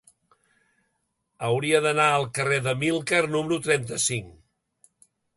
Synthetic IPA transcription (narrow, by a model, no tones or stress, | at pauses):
əwɾiəðənaəlˠkəreðəmilˠkərnuməɾut̪ɾɛnt̪əsiŋ